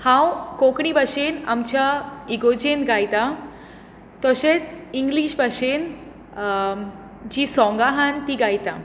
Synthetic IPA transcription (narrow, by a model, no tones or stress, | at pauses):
hãwkokɳibʱaʂena̰mt͡ɕaiɡod͡ʑenɡajt̪a | t̪ɔɕet͡siŋɡliɕbʱaʂen | d͡ʑiːsɔ̃ŋɡaɦant̪iɡajt̪a